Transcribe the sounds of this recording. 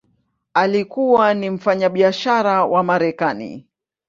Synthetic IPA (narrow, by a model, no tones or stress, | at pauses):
alikuwanim̩faɲaɓiaʃaɾawʔamaɾɛkanḭ